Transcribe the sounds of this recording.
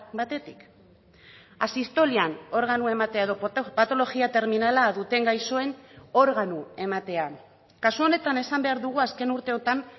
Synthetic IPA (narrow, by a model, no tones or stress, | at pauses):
bat̪e̞t̪i̥k | asist̪o̞liano̞ɾɣ̞anue̞mat̪e̞ae̞ðo̞pat̪o̞lo̞ɣiat̪e̞ɾminalaðut̪e̞ŋɡajso̞e̞no̞ɾɣanue̞mat̪e̞a | kasuo̞ne̞t̪ane̞sambe̞aɾðuɣ̞uaske̞nuɾt̪e̞o̞t̪an